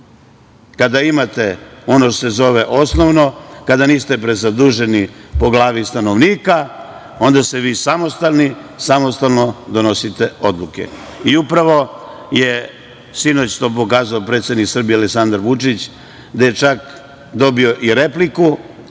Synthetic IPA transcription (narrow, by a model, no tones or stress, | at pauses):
kad̪aimat̪e̞o̞noʃt̪ose̞zo̞ʋe̞ʔo̞sno̞ʋnokad̪aniːst̪e̞pɾezad̪uʒe̞nipo̞ɡlˠaːʋist̪ano̞ʋniːka | o̞nd̪aseʋiːsamo̞st̪alnisamost̪alno̞d̪o̞no̞sit̪e̞o̞d̪lˠuke̞̰iupɾaʋo̞ | je̞ | sino̞t͡ɕt̪o̞ːp̬o̞kaːzaopɾe̞t̪sje̞d̪niksr̩bijealeksand̪aɾʋut͡ʂit͡ɕ | d̪aje̞t͡ʃak | d̪o̞bio̞ʔiɾe̞pliku